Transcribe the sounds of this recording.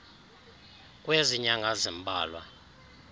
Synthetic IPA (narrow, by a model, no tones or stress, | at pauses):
kʼweziɲaŋazimbʱaːlwa